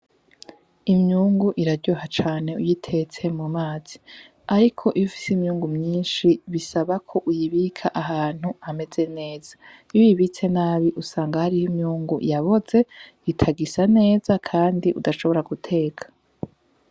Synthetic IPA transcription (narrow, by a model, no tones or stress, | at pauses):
imɲuːŋɡuʔiɾaɾɟohat͡ʃaːne̞ujitʰe̞t͡se̞mumaːz̥i | aɾikʰo̞ʔiβufi̥simɲuːŋɡumɲiːnʃiβisaβakʰo̞ʔujiβikʰaʔaɦaːn̥huame̞ze̞ne̞ːz̥a | jujiβit͡se̞naːβiʔusaːŋɡahaɾijimɲuːŋɡujaβo̞ze̞ | itʰaɡisane̞ːzakʰaːndiʔudaʃo̞βo̞ɾaɡutʰe̞ːkʰḁ